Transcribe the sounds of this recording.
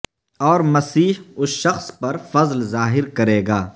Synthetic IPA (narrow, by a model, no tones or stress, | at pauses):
ɔːɾmɐsiːɦʊsʃɐxspɐɾfɐzlzaːɦɪɾkɐɾeːɡaː